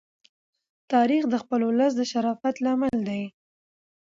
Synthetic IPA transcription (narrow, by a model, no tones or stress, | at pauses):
t̪ɑɾixd̪əxpəlolas̬d̪əʃaɾɑfat̪lɑməld̪aj